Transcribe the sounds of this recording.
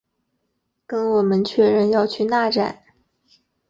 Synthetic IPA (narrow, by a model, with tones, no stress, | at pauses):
kə˥nwɔ˨˩mə˦nt͡ɕʰɥɛ˥˧ɻə˥˧njɑ˥˧ʊt͡ɕʰy˥˧na˥˧ʈ͡ʂa˥˩˦n